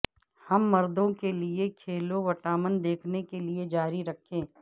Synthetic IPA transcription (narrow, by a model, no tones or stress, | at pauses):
hɐmːɐɾd̪õkeliekʰeːloʋɐʈaːmənd̪eːkʰnekelied͡ʒaːɾiɾɐkʰẽː